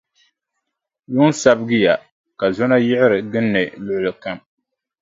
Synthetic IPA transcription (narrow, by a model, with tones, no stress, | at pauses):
jʊ˦n˦sa˦bɡɨ˦ja˨ | ka˨zɔ˦na˦jɪ˦ʕɪ˦ɾɨ˨ɡɨ˦nːɨ˨lʊ˦ʔʊ˦lɨ˨ka˦m